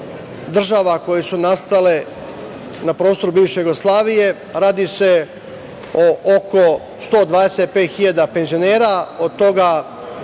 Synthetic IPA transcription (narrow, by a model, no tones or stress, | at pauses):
d̪r̩ʒaʋako̞jesunast̪ale | napɾoːst̪o̞ɾubiːʋʃejuɡoslˠaːʋije̞ | ɾaːd̪ise̞ | oʔoko | st̪oːd̪ʋaːd̪eset̪̚peːt̪xiʎad̪ape̞nzio̞neːɾao̞d̪̚t̪o̞ɡa